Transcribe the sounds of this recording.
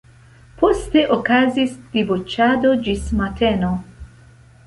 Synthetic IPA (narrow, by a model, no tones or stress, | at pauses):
po̞ste̞ʔokazisd̥ibut͡ʃado̞d͡ʒismateno